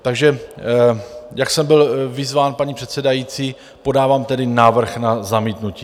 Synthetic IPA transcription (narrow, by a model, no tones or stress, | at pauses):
t̪aɡʒɛ | jaksɛmbɪlvɪzvaːnpaɲipr̝̥ɛt̪sɛdajiːt͡siː | po̞daːvaːmt̪ɛdɪnaːvr̩xnazamiːt̪nuciː